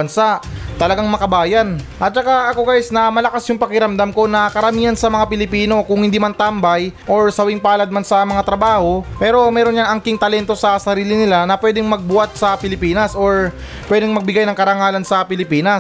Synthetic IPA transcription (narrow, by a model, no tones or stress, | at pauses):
ɐnsaʔt̪ɐlɐɡaŋmɐkɐbaːjɐn | ʔɐt̪̚t͡ʃɐkaʔɐko̞ɡaːjɪsnɐmɐlɐkasjʊŋpɐkɪɾɐmd̪amko̞nɐkɐɾɐmiːɐnsɐmɐŋapɪlɪpiːno̞kʊŋhɪnd̪iːmɐnt̪ambɐjʔo̞ɹsɐwɪŋpaːlɐd̪̚mansɐmɐŋat̪ɾɐbaːho̞pɛːɾo̞mɛːɾo̞njaŋɐŋkɪŋt̪ɐlɛnt̪o̞sɐsɐɾiːlɪnɪlanɐpwɛːd̪ɪŋmɐɡ̚bʊwat̪̚sɐpɪlɪpiːnɐsʔo̞ɹ | pwɛd̪ɛŋmɐɡ̚bɪɡajnɐŋkɐɾɐŋaːlɐnsɐpɪlɪpiːnɐ